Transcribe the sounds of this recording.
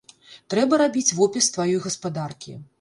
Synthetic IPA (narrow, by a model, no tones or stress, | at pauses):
t̪ɾɛbɐɾabʲit͡sʲvɔpʲist̪vajɔjɣɐspad̪arkʲḭ